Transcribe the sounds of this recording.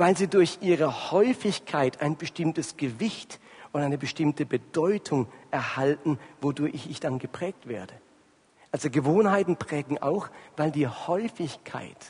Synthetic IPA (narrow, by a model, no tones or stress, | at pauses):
vaɪlziːdʊɐçʔiːʁəhɔʏfɪçkʰaɪtʰaɪnbəʃtɪmtəsɡ̥əvɪçtʔʊntʔaɪnəbəʃtɪmtəbəd̥ɔʏtʰʊŋʔɛɐhaltn̩vodʊɐçɪçɪçd̥anɡəpʁ̥ɛːk̚tv̥eːɐdə | ʔalzoɡəvoːnhaɪtn̩pʁ̥ɛːɡŋ̩ʔa̰ʊxv̥aɪldiːhɔʏfɪçkʰa̰ɪt